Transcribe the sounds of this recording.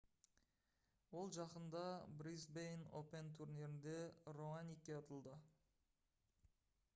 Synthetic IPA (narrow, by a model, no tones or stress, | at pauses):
wo̞lˠʒɑqənd̪ɑbrizbejno̰pent̪ʰuɾnʲeɾɪnd̪eromanʲikʲːeɑt̪əlˠd̪ə